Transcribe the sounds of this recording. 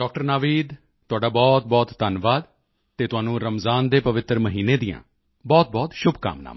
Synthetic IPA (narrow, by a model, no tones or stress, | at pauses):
ɖɔːk̚ʈəɾnaːʋiːd̪ | t̪ʊaːɖaːbɔːt̪̚bɔːt̪d̪ənʋaːd̪ | t̪eːt̪ʊaːnũːɾəmzaːnd̪eːpəʋɪt̪ɾməɦiːneːd̪ijã̰ː | bɔːt̪̚bɔːt̪ʃʊbʱka̰ːmna̰ːm